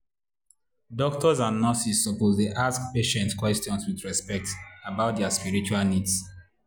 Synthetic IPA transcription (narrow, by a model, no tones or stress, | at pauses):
dɔk̚tʰɔzãnːɔsisːɔpozteʔaskpeʃɛ̃ntkwɛstjɔ̃nswidɹɛspɛk̚tabaʊt̚dɛaspiɹit͡ʃualnids